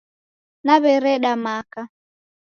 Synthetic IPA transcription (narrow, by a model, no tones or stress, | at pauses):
naβɛɾɛɗamaka